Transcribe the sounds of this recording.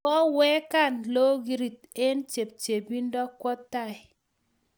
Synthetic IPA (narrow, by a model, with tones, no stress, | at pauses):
kɔ˦wɛ˦ka˦˨nlo˦ɡi˦ɾi˨t̚e˦nt͡ʃe˨p̚t͡ʃe˨bi˦n˦dɔ˦kːwɔ˦tːa˦˨ɪ˨